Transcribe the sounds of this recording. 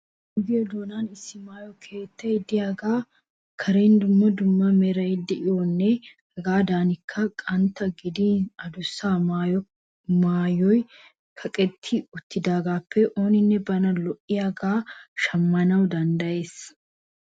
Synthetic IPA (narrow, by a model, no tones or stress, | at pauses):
ʊɡɪjɔd̪oːnanɪsːɪmaːjɔkʰeːt̪ːɐjd̪ɪjaːɡaː | kʰɐɾend̪ʊmːɐd̪ʊmːɐmɛɾɐjd̪ɛʔɪwɔnːɛhɐɡaːd̪aːnɪkʰːɐkʼɐnt̪ːɐɡɪd̪iːnɐd̪ʊsːaːmaːjɔ | maːjɔj | kʰɐkʼɛt̪ʰːɪʊt̪ʰːɪd̪aːɡaːpʰːɛʔo̞ːnɪnːɛbɐnɐlɔʔːɪjaːɡaːʃɐmːɐnɐwd̪ɐnd̪ɐje̞ːs